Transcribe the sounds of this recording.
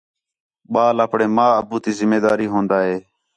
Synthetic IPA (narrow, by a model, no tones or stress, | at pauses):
ɓaːlaːpɳeːmaːəbuːt̪iːzɪmeːd̪aːɾiːɦõːnd̪aːɦeː